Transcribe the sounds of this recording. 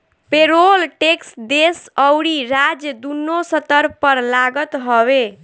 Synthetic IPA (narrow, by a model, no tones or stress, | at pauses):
peɾolʈeksd̪esəwɾiɾad͡ʒjəd̪unːosət̪əɾpəɾlaɡət̪ɦɔbe